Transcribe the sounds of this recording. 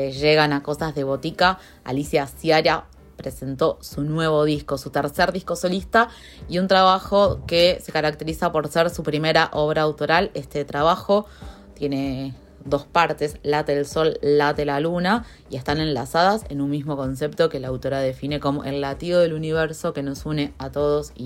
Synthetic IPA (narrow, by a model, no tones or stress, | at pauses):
eʒeɣanako̞sazðe̞β̞o̞t̪ika | a̰lisjasjaɾa | pɾe̞se̞nt̪o̞sunwe̞βo̞ðiskosut̪eɾseɾðihko̞so̞list̪a | iunt̪ɾaβaxo̞kese̞kaɾak̚t̪e̞ɾisapo̞ɾseɾsupɾime̞ɾaʔo̞β̞ɾaːwt̪o̞ɾale̞st̪e̞t̪ɾaβ̞axo̞ | t̪je̞ne̞ | d̪o̞spaɾt̪e̞slat̪eelso̞lːat̪elaluna | ie̞st̪anẽ̞nlasaðasḛnunmizmo̞ko̞ns̬ept̪o̞ke̞laːwt̪o̞ɾaðe̞fine̞ko̞mo̞̰ʔelːat̪ioðe̞luniβeɾso̞ke̞no̞sune̞at̪o̞ð̞osi